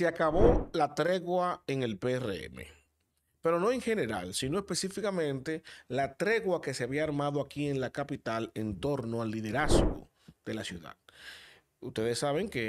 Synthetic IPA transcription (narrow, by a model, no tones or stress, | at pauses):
seakaβo̞lat̪ɾe̞ɣwae̞ŋe̞lperḛḛmḛ | pe̞ɾo̞no̞e̞ŋxe̞ne̞ɾa̰lsino̞espe̞sifikamẽ̞nt̪e̞lat̪ɾe̞ɣwake̞seaβiaːɾmaðo̞akie̞nlakapit̪ale̞nt̪o̞ɾno̞alːiðe̞ɾazɣo̞̰ | ð̥e̞lasjuða̰ð | ust̪e̞ðesːaβe̞ŋke